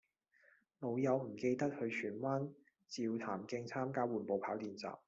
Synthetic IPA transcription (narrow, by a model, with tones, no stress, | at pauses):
lo˨˧wjɐ˨˧wm̩˨˩ke˧jt̪ɐ˥k̚hɵ˨˧ɥt͡ʃʰyː˨˩nwaː˥n | t͡siː˨˧wt̪ʰaː˨˩mkɪ˧ŋt͡sʰaː˥mkaː˥wuː˨˩npo˨˧wpʰaː˨˥wt̪iː˨nt͡sa̰ː˨p̚